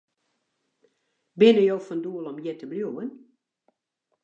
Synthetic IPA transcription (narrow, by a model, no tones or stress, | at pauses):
bɪnəjoːfɔnduəlˠɔmjɛtəbljoən